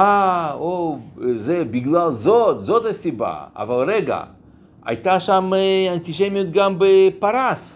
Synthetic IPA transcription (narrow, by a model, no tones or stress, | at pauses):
aozebiɡlalzot̪zot̪asʲiba̰a̰valɾeɡa̰ | a̰jt̪aʃamant̪iʃemijot̪ɡambepaɾas